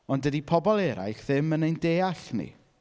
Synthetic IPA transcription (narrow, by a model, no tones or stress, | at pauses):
ɔndədipʰɔbɔlˠɛɾa̰jɬðɪmənejndeːaɬnḭ